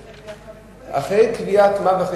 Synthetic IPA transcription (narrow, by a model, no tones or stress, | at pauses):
a̰χejkviat̪mavaχ